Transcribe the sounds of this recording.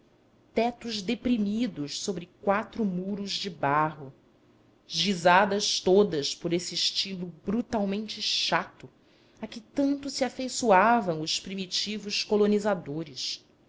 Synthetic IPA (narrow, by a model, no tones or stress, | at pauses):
t̪ɛt̪ʊʒd̪epɾimid̪ʊʃsobɾɪkwat̪ɾʊmuɾʊzd͡ʒɪbaɦʊ | ʒizad̪ɐʃt̪od̪ɐspoɾesɪʃt͡ʃilʊbɾut̪awmẽnt͡ʃɪʃat̪ʊ | akɪt̪ɐ̃nt̪ʊsiafejsuavɐ̃w̃ʊspɾimit͡ʃivʊskolonizad̪oɾɪs